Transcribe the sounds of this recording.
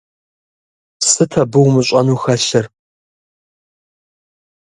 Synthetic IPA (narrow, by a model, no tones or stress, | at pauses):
sɨtʰɐbɨwmɨɕʼɐnuːxɐɕɐr